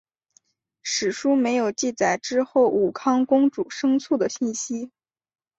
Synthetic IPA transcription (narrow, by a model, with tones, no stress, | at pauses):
ʂɻ̩˨˩ʂu˥me˧˥ɪjo˨˩ʊt͡ɕi˥˩t͡sa˨˩ɪʈ͡ʂɻ̩˥xo˥˩ʊʔu˨˩kʰɑ˥ŋkʊ˥ŋʈ͡ʂu˨˩ʂɤ˥ŋt͡sʰu˥˩d̪ə˩ɕi˥˩nɕi˥